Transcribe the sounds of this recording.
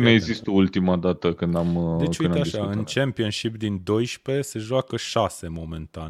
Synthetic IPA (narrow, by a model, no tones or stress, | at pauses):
neeɡzist̪əult̪imad̪at̪əkɨnd̪amd̪et͡ʃund̪eaʃaɨnt͡ʃempionʃipd̪ind̪o̞jʃpe̞seʒoakəʃase̞mo̞mẽ̞nt̪an